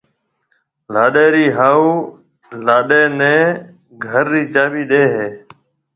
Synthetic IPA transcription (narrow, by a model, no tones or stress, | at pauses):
laːɗeːɾiːɦaːuː | laːɗeːnɛ̃ː | ɡʱəɾːiːt͡ʃaːʋiːɗeːɦeː